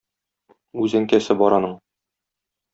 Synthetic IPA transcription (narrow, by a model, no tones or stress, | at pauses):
ʉzæŋkæsɘbɒɾɑnɤɴ